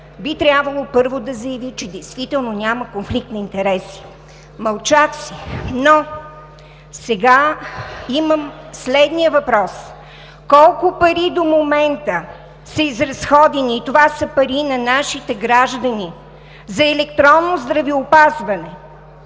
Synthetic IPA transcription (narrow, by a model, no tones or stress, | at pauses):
bit̪ɾʲjabvəlˠopɤɾvod̪ɐzɐjɐvit͡ʃɛd̪ɛjst̪vit̪ɛlˠnonʲaməkonflik̚t̪nɐint̪ɛɾɛsi̥ | mɐlˠt͡ʃaksino | sɛɡa | iməmslɛd̪nijəvɐpɾɔs | kɔlˠkʊpɐɾid̪omomɛnt̪ə | sɐizɾɐsxɔd̪ɛniːt̪ovasəpɐɾinɐnaʃit̪ɛɡɾaʒd̪ɐni | zɐɛlɛkt̪ɾɔnːozd̪ɾɐviopazvɐnɛ